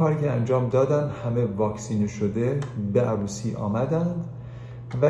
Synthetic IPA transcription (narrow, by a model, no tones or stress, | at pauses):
ɒːɾiːcʲʰeænd͡ʒɒːmd̪ɒːd̪ænd̪hæme̞vɒːkʰsiːneʃod̪ebeʔæɾuːsiːʔɒ̰ːmæd̪ænd̪ | væ